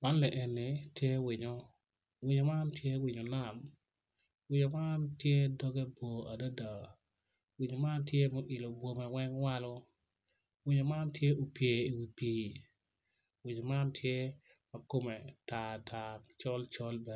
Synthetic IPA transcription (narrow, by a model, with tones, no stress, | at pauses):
ma˦nlɛ˨ʔɛ˨nːɪ˨tje˦wɪ˨ɲo˦ | wɪ˨ɲo˨ma˦ntje˦wɪ˨ɲo˨na˦˨m | wɪ˦ɲo˨ma˦ntje˦dɔ˦ɡɛ˦bo˨a˨da˦da˨ | wɪ˨ɲo˨ma˦ntje˦mo˨ʔɪ˨lo˨bwo˨mɛ˨wɛ˦ŋwa˦lɔ˦ | wɪ˦ɲo˨ma˦ntje˦o˨pje˨i˨wi˨piː˨˦ | wɪ˨ɲo˨ma˦ntʰje˦ | ma˨ko˦mɛ˨ta˨tʰa˨t͡ʃɔ˦lt͡ʃɔ˦lbɛ˨